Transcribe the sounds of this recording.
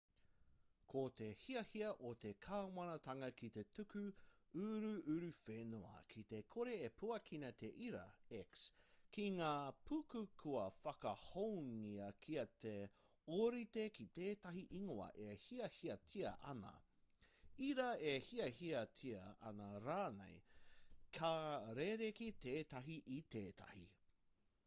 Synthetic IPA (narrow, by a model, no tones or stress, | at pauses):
kʰot̪e̞hiɐhiɐʔot̪e̞kʰɐwmɐnɐt̪ɐŋɐkit̪e̞t̪ʉkʉʉɾʉʉɾʉfenuɐ̰kʰit̪e̞kʰoɾe̞epʰuɐkʰinɐt̪ʰe̞ʔiɾɐ̰ɛkskiŋaːpʰukʉkʰuɐfɐkɐhowŋiɐkʰiɐt̪ʰe | oɾitekit̪eːtɐɦiʔiŋoɐ̰ʔehiɐhiɐtʰiɐ̰ʔɐnɐ̰ | iɾɐehiɐhiɐtʰiɐʔɐ̰nɐɾaːnḛj | kʰɐɾeɾekiteːtɐɦiʔit̪eːtʰɐ̰hḭ